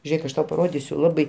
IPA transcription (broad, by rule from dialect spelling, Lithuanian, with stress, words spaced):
ˈʒʲeːk ɐʃ ˈtɐʊ pɐˈroːdʲɪsʲʊ ˈlˠɑːbɐɪ